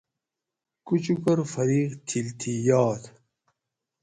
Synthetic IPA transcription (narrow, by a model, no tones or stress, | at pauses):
kut͡ɕukɐɾfɐɾiːqt̪ʰilt̪ʰijaːt̪